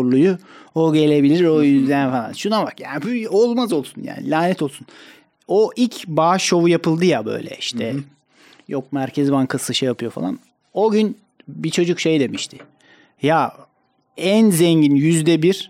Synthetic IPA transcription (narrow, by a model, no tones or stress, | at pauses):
ɾlˠujuoɟe̞lʲe̞bilʲiɾojyzd̪ænfalˠa̰nʃunabakjaːnibuolˠmazo̞lˠsunja̰ːnḭlʲaːnɛt̪ʰo̞lˠsun | oʔilʲcʰbaːʃo̞vujapɯlˠd̪ɯjabø̰jlʲɛ̰iʃt̪ʰɛ | jok̚mæɾcʰɛzbankʰɯsˠɯʃajapʰɯjo̞fa̰lˠa̰n | oɟyn | bit͡ʃʰo̞d͡ʒukʃe̞jd̪e̞miʃt̪ʰɪ̥ | ja | ænzɛɲɟinjyzd̪ɛbiɾ̥